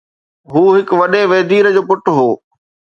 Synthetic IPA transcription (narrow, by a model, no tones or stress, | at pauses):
ɦuːɦɪkʋɐɗeʋeːd̪iːɾəd͡ʑoːpʊʈɦoː